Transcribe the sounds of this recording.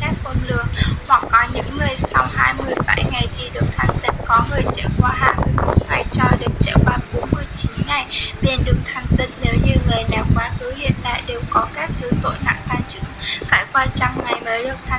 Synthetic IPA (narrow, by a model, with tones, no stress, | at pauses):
kaː˦˥k̚mo˧nlɨ̰˧˩əŋhwa˨˩k̚kɔ˨˦ɲɨ̰˧˥ŋːɨ˨˩əjsa˧wŋ͡mhaː˧jmɨ˧əjɓa˧˩jŋa˨˩jzʰi˧ɗɨ˨˩ək̚t̪ʰa˧˩jŋ̟t̪ï˧˩ŋkɔ˨˦ŋɨ˨˩əjt͡ɕə̰ː˧˩kwaː˨˦ɦaː˧jmɨ˧əjmo˧˥t̚ŋa˨˩jt͡ɕɔ˧ɗɨ˨˩ək̚t͡ɕə̰ː˧˩kwaː˨˧˦ɓo˨˦nmɨ˧əjt͡ɕi˨˦nŋa˨˩jli˨˧˩nɗɨ˨˩ək̚t̪ʰa˧jŋ̟t̪ï˧˩nne˨˦wɲɨ˧ŋɨ˨˩əjlaː˨˩mkwaː˨˦xɨ˨˦hḭ˧˨ənɗ̪a̰ː˧˨jɗe˨˩wkɔ˨˦kaː˦˥k̚t̪ʰɨ˧t̪o̰˧˩na̰˧˨ŋt̪aː˧ŋt͡ɕɨ̰˧˥əŋkaː˧˩jkwaː˧t͡ɕa˧ŋŋa˨˩jməː˨˦jɗɨ˨˩ək̚t̪ʰa˧